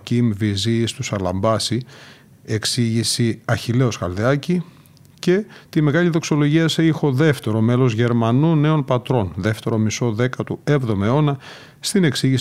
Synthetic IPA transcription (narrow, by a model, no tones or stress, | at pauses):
cimvizist̪usɐlɐ̰mbɐsi | e̞ksiʝisiɐçile̞o̞skɐlðeɐci | ce̞t̪ime̞ɣɐliðo̞kso̞lo̞ʝiɐseixo̞ðe̞ft̪e̞ɾo̞me̞lo̞zʝe̞ɾmɐnune̞o̞npɐt̪ɾo̞nðe̞ft̪e̞ɾo̞miso̞ðe̞kɐt̪uevðo̞mɐeo̞nɐ | st̪ine̞ksiʝis